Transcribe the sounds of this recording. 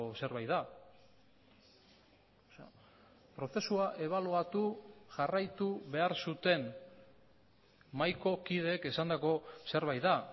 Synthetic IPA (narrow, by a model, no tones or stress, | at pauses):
se̞ɾβajt̪ða | pɾo̞θe̞suaʔe̞β̞aluat̪uʝarajt̪uβe̞aɾsut̪e̞n | majko̞kið̞e̞ːke̞sand̪ako̞se̞ɾβajt̪ða